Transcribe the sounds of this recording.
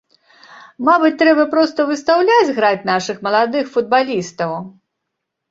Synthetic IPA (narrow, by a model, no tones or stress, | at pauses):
mabɨt̪ːɾɛbɐpɾɔst̪ɐvɨst̪awlʲad͡zʲɣɾat͡sʲn̪aʂɨxmɐlˠad̪ɨxfud̪̚balʲist̪ɐw